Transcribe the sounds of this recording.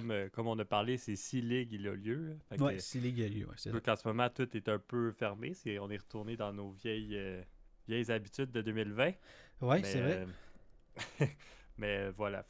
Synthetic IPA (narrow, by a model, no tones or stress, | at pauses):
møkɔmɔ̃napaʁlesesilɪɡilɔ̰ljøləfakwɛsilɪɡilaljø̰wɛ̰sɔ̃kɑ̃smɔmɑ̃t̪ut̪ɛt̪ɛ̃pøfɛʁmeseɔ̃neʁət̪uʁned̪ɑ̃novjɛjøvjɛjzabit̪yd̪̚ːəd̪øːmilvɛ̃wɛmsɛevʁɛ | mɛøvwala̰